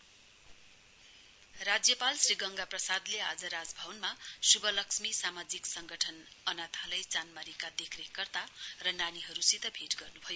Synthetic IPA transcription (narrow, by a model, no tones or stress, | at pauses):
rad͡zjʌpalsriɡʌŋɡaprʌsad̪lead͡zʌɾad͡zbʱʌwʌnmasubʌlʌksmisamad͡ziksʌŋɡʌʈʰʌnʌnat̪ʰalʌjt͡sanmaɾikad̪ekʰrekːʌrt̪arʌnaniɦʌɾusit̪ʌbʱeʈɡʌrnubʱʌjo